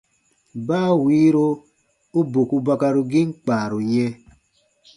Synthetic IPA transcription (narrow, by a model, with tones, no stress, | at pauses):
baː˦wiː˨˦ɾo˦ | u˦bo˨ku˧ba˧ka˧ɾu˧ɡi˦ŋ͡m̩˦k͡paː˨ɾu˨ɲɛ˧